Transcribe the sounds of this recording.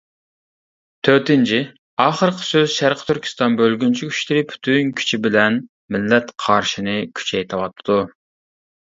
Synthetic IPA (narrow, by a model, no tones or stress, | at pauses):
t̪ʰøɾt̪ɪnt͡ʃʰi | ɑːχəɾqʰə̥søzʃæɾqʰə̥t̪ʰyɾkʲʰi̥st̪ɑnbølɡʲynt͡ʃʰikʲʰy̥ʃlɪɾɪpʰy̥t̪ʰynkʲʰy̥t͡ʃʰibɪlɛn | mɪlːɛt̪qʰɑɾʃinɨkʲʰy̥t͡ʃʰɛjt̪ʰɨwɑt̪ʰːd̪u